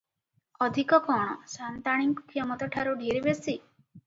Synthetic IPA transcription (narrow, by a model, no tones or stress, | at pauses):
ɔd̪ʱikɔkɔɳ̃ɔsant̪aɽ̃iŋkukʰijɔmɔt̪ɔʈʰaɾuɖʱiɾibesi